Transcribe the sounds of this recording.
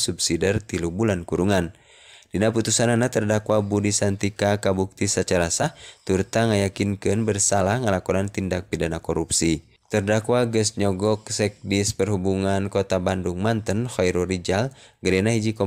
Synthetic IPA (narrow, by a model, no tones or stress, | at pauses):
subsidɛrt̪ilubulankuɾuŋan | dinaput̪usananat̪ərdakwabudisant̪ikakabuk̚t̪isət͡ʃaɾasaht̪urt̪aŋajakinkɨnbərsalahŋalakɔnant̪indak̚pidanakɔɾupsi | t̪ərdakwaɡəsɲɔɡɔk̚sɛk̚dispərhubuŋankɔt̪abanduŋmant̪ənhɔjɾɔɾid͡ʒalɡəɾɛnaɦid͡ʒikɔ